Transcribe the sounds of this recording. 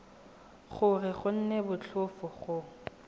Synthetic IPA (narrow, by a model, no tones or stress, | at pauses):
χʊrɪχʊn̩nebʊt͡ɬʰʊfʊχʊ